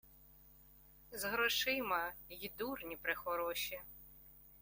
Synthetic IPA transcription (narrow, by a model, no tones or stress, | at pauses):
zɦɾɔʃɪmɐjid̪urnʲipɾɪxɔɾɔʃi